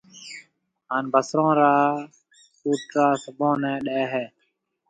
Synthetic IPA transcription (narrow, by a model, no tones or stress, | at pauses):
ɦaːnbʱəsɾõːɾaː | kuːʈɾaːsəbõːnɛ̃ːɗeːɦɛː